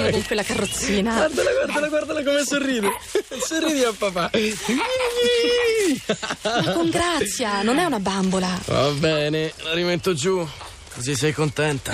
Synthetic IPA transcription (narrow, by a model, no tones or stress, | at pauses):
koŋkwelːakarːot̪sːiːnaward̪alaɡward̪alaɡward̪alakomesorːiːd̪esorːiːd̪iapːapa | akoŋɡɾat̪sːjanonɛunabambolava̰a̰bɛːnelaɾimet̪ːod͡ʒu | kozisɛjkont̪ɛnt̪a